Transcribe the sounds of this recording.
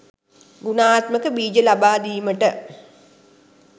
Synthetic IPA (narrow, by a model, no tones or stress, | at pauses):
ɡunaːt̪məkəbiːd͡ʒəlabaːd̪iːməʈə